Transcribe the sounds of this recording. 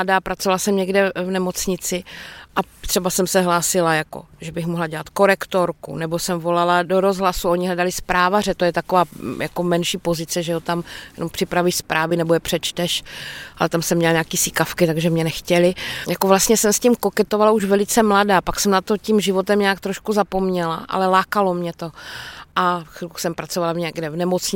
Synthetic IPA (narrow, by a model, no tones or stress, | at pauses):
adaːpɾat͡sovalasɛmɲɛɡdɛvnɛmo̞t͡sɲɪt͡sɪʔat̪r̥ɛbasɛmsɛɦlaːsɪlajako̰ʒɛbɪxmoɦlaɟɛlat̪ko̞ɾɛkt̪oɾkṵnɛbo̞sɛmvo̞laladoɾo̞zɦlasuo̞ɲɪɦlɛdalɪspɾaːvarɛt̪ojɛt̪akovaːjakomɛnʃiːpo̞zɪt͡sɛʒɛɦot̪amjɛ̰nompr̥ɪpɾavɪʃspɾʔaːvɪnɛbojɛpr̥ɛt͡ʃt̪ɛʃʔalɛt̪amsɛmːɲɛlɲaːkiːsɪkafkɪt̪aɡʒɛmɲɛnɛxcɛlɪjakovlast̪ɲɛsɛmscimko̞kɛt̪ovalauʒvɛlɪt͡sɛmladaːpaksɛmnat̪ocimʒɪvo̞t̪ɛmɲaːkt̪ɾoʃkuzapo̞mɲɛla̰ʔa̰lɛlaːkalomɲɛt̪o̞ʔaxɾuksɛmpɾat͡sovalaɲɛɡdɛvnɛmot͡sɲ